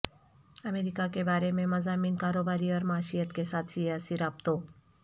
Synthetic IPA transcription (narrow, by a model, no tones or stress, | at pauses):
ɐmeːɾɪkakebaːɾemẽmɐzaːmiːnkaːɾoːbaːɾiɔːɾmaːʃijət̪kesaːt̪ʰsijaːsiɾaːbt̪oː